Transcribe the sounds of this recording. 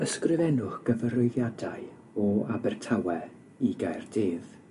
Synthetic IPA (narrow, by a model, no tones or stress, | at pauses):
əskrɪvɛnʊχɡ̥əvəɾʊɨðjadaɨ | ɔabɛrtʰawɛ | iɡajrd̥eːð